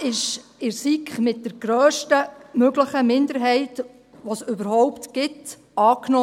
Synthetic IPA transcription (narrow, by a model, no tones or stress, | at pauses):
ɪʃɪɾsikχmɪt̚d̥əɾɡ̥ɾøːʃtəmøɡləχəmɪnd̪əɾɦɛɪt | ʋosʏbəɾhɔwptɡ̥ɪt | ɑːkno